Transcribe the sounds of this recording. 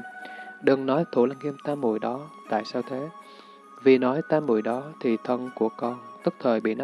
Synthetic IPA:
ɗɨ˨˩ŋnɔ˨˦jt̪ʰṵ˧˩la˧ŋʔi˧əmt̪aː˧mṵ˧˩˨jɗɔ˨˦t̪a̰ː˧˨jsaː˧wt̪ʰe˨˦ | vi˨˩nɔ˨˦jt̪aː˧mṵ˧˩əjɗɔ˨˦t̪ʰi˨˩t̪ʰə˧nku˧˩əkɔ˧nt̪ɨ˦˥k̚t̪ʰəː˨˩jɓḭ˧˨na˧

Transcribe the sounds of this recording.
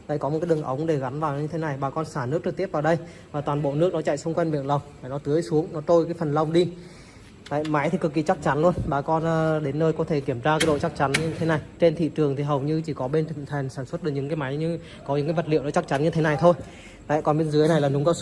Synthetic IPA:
la̰ː˧˨jkɔ˨˦m̚˨˩kaː˨˦ɗɨ˨˩əŋʔə˨˦wŋ͡mŋ͡mɗe˧˩ɣa˨˦nvaː˨˩wɲɨ˧t̪ʰe˨˦na˨˩jɓaː˨˩kɔ˧nsaː˧˩nɨ˦˥k̚t͡ɕɨ˨˩k̚t̪i˦˥p̚vaː˨˩wɗə˧j | vaː˨˩t̪waː˨˩nɓo̰˧˨nɨ˦˥ək̚nɔ˨˦t͡ɕa̰˧˨jsʊ˧wŋ͡mkwɛ˧jnɓḭ˧˨ənlə˨˩wŋ͡mlaː˧˩nɔ˨˦t̪ɨ˨˦əjsu˨˦əŋnɔ˨˦t̪o˧jkaː˨˦jfə˨˩nlə˧wŋ͡mɗi˧ | la̰ː˧˨jma˨˦jt̪ʰi˨˩kɨ˨˩kːḭ˨˩t͡ɕa˦˥k̚t͡ɕa˨˦nlu˧ənɓaː˨˩kɔ˧nː˨˧ɗe˨˦nːəː˧jkɔ˨˦t̪ʰe˧˩ki˧˩əmzaː˧kaː˨˦jɗo̰˧˨t͡ɕa˦˥k̚t͡ɕa˨˦nɲɨ˧t̪ʰe˨˦na˨˩jt͡ɕe˧nt̪ʰḭ˧˨t͡ɕɨ˨˩əŋt̪ʰi˨˩ɦə˨˩wɲɨ˧t͡ɕi˧˩kɔ˨˦ɓe˧nt͡ɕɨ˧˨t̪ʰe˨˩jŋ̟saː˧˩nswə˦˥t̚ɨ˨˩ɲɨ̰˧˥ŋkaː˨˦jma˨˦jɲɨ˧ | kɔ˨˦ɲɨ̰˧˥ŋkaː˨˦jvə˨˩t̚lḭ˧˨əwnɔ˨˦t͡ɕa˦˥k̚t͡ɕa˨˦nɲɨ˧t̪ʰe˨˦na˨˩jt̪ʰo˧j | la̰ː˧˨jkɔ˨˩nɓe˧nzɨ˨˦əjna˨˩jlaː˨˩ɗʊ˨˦ŋ͡mkaː˧˦

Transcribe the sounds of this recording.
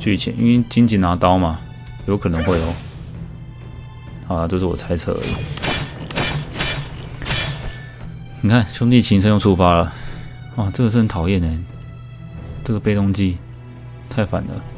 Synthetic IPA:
t͡ɕy˥˩t͡ɕʰjɛ̰˧˦nʔḭ˥˧nwe˥˧˩t͡ɕi˥nt͡ɕʰi˧˥na˧˥t̪ɑ˥ʊma˨ | jo˧ʊkʰɤ˨˩nɤ˧˥ŋxwe˥˩ɪjo˨˩˦ʊ | xɑ˨˩ʊla˨t͡ɕjo˥˧ʊʂɻ̩˥˩wɔ̰˨˩t͡sʰa˧˥ɪt͡sʰɤ̰˧˥ə̰˨lə̰˨˩ | ni˨˩kʰa˥˩nɕʊ˥ŋt̪̬i˥˧˩t͡ɕʰi˧˥nʂ̬ə˥jʊ˥˧ŋsʰu˥˧fa˥lə˨ | wa˥˩ʈ͡ʂɤ˥˩ɡə˩ʂ̬̩˥˩ə˧˦nt̪ʰɑ˨˩ʊjɛ˥˨ne˩ | ʈ͡ʂə˥˩ɡə˩pe˥ɪt̪ʊ˥ŋt͡ɕi˥ | t̪ʰa˥˩ɪfa̰˨˩nd̪ə̰˦

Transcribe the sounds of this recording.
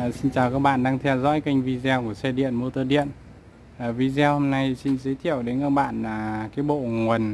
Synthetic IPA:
si˧nt͡ɕaː˨˩wkaː˦˥k̚ɓa̰ː˧˨nɗaː˧ŋt̪ʰɛ˧wzɔ̰˧˥jka˧ŋ̟vi˧zɛ˧wku˧˩əsɛ˧ɗḭ˧˨ənmo˧t̪əː˧ɗḭ˧˨ən | aː˨˩vi˧zwho˧mna˧jsi˧nzə˨˦jt̪ʰḭ˧˨əwɗe˨˦naː˧˩ɓa̰ː˧˨naː˨˩kaː˨˦jɓo̰˧˨ŋwə˨˩n

